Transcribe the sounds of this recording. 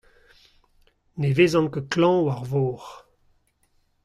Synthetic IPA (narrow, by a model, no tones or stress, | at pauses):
neveːzɑ̃ŋkəklɑ̃waʁvoːʁ